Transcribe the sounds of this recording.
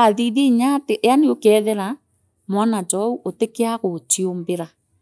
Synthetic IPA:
aðiðiɲateʔaniokɛðeɾa | mwanat͡ʃɔuʔotekeaɣot͡ʃiombeɾa

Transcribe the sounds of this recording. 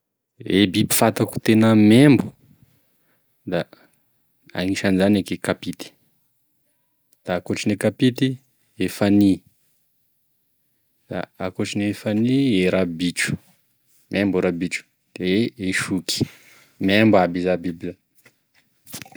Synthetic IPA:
ebibi̥fat̪aku̥t̪enəmembu | d̪a | a̰ŋiʃanizanekekapit̪i̥ | d̪̥aːkoʈ͡ʂinekapit̪i | efani | d̪̥a̰akoʈ͡ʂinefanieɾabiʈ͡ʂu̥ | mʔembuɾabiʈ͡ʂu̥ | d̪̥eeeʃuki̥ | membuabizabiblə

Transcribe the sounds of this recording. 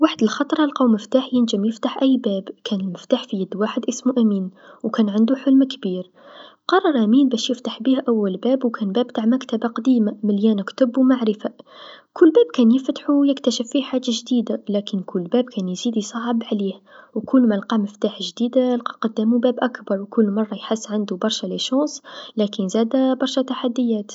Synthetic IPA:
waħd̪əlxɑt̪ˤɾˤɑlqɑwmɪft̪aːħjɪnʒəmjɪft̪aħʔæjːbæːbkʰæːnəlmɪft̪aːħfijæd̪ːwaːħəd̪ʔɪsmuʔæmiːnwkæːnʕɪnd̪uħʊlmkbiːɾ | qɑrˤːɑɾˤʔæmiːnbæːʃjɪft̪aħbiːhʔæwːælbæːbwkʰæːnbæːb̚t̪aːʕmækt̪abaqɑd̪iːmamɪljæːnkt̪ʊbːwmaʕɾɪfakʊlːbæːb̚kæːnjɪft̪ħujɪkt̪æʃɪfːiħaːd͡ʒaʒd̪iːd̪alæːkɪnkʰʊlːbæːb̚kʰæːnjziːd̪isˤɑʕəbʕliːhwkʊlːmælqɑːməft̪aːħʒd̪iːd̪alqɑ̥qɑd̪ːæmubæːbʔækbɑɾˤwkʊlːmɑrˤːɑjħasːʕand̪ubɑɾˤʃaleʃɑ̃ːsˤlæːkənzæːd̪abɑɾˤʃat̪aħad̪ːəjːæːt̪

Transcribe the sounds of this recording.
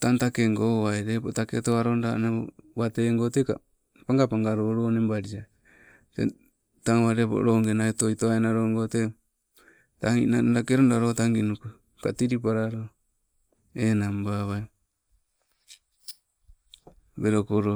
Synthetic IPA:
tantakeŋɡoaeɾepotaketoaɾonda̰nao̰βateŋɡoteka̰ | paŋɡapaŋɡaɾoɾoːnembaɾia | tḛ | taŋβaɾepo̰ɾoŋɡenaetojtoaenaɾoŋɡote | taŋḭnadakeɾondaɾotaŋɡinuku | katiɾip̬aɾaɾo | enambaβaj | beɾokoɾo

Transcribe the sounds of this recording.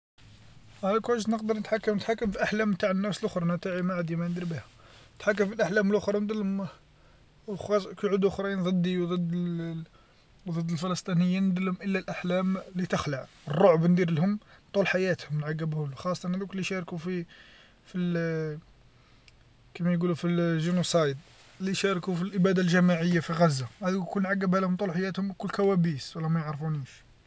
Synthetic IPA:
hælkwæʃt̪nəqd̪əɾˤnət̪ħakːəmnət̪ħakːəmfiʔaħlæmt̪aʕənːæfsəlʔʊxɾˤɑnæt̪aʕimaʕad̪imænd̪iɾbihʊmnət̪ħakːəmfilʔaħlæməlʔʊxɾˤɑnd̪əlʊm | wɑkʕud̪ʔʊxɾˤɑjnd̪ˤɨd̪ːiwd̪ˤəd̪ː | wd̪ˤəd̪ːəlfəlɑst̪ˤinəjːinːəd̪əlhʊmʔəlːælʔaħlæmlit̪əxləʕ | ərˤːoʕbnd̪iɾlhʊmt̪ˤulħajæt̪hʊmnʕaɡːəbhæluxɑsˤːt̪ˤɑnhæd̪uklːiʃɑɾkufi | fi | kæmæjɡulufiʒunusɑjd̪ | lːiʃɑɾˤkufilʔəbæd̪alʒæmaʕəjːafiɣæzːahæd̪ukkulnʕaɡːəbhælhʊmt̪ˤulħajæt̪hʊmkʊlːkæwæbiswəlːæmæjəʕɾfuniʃ

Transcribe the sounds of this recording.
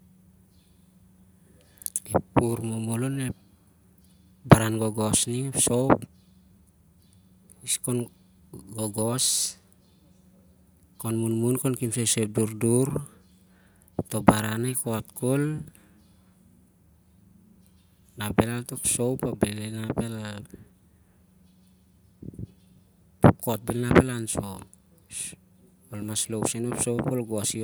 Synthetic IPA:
epːuɾmomolonep | baɾanɡoɡo̞sniepso̞wp | iskon | ɡoɡos | konmunmunkonkimsesep̚duɾduɾ | to̞baɾanajkotkol | nabelaltokso̞wpabelenabel | pokot̚belnapelanso | olmaslowsenopsowpolɡosi

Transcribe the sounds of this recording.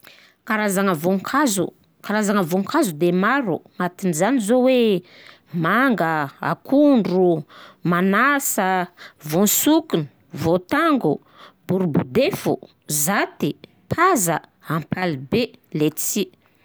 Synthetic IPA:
kaɾazaŋəvoŋkʰazṵ | kaɾazaŋəvoŋkʰazud̪emaɾuŋat̪inizanizowe | maŋɡəa̰kuɳɖ͡ʐumanasəvonsukunu̥ | vot̪aŋɡu | b̥uɾubud̪efṵ | zat̪i | pʰazə | ampʰalibelet͡si

